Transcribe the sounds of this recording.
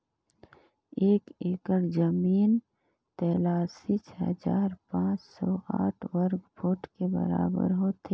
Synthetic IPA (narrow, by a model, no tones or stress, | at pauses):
eːkeːkəɾd͡ʒəmiːn | t̪ɛːlaːsit͡ʃʰɦə̰d͡ʒaːɾpãːt͡ʃsɔːaːʈʰwɐɾɡbʰʱoːʈkebə̰ɾa̰ːbə̰ɾɦoːt̪ʰeː